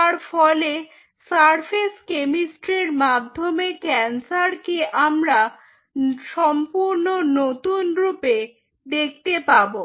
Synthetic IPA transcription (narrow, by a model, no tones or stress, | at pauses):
t̪aɾfɔle | saɾfʰeskemisʈɾeɾmad̪ʱːomekɛnsaɾkeʔamɾa | ʃɔmpuɾnonot̪unɾupe | d̪ek̚t̪epabo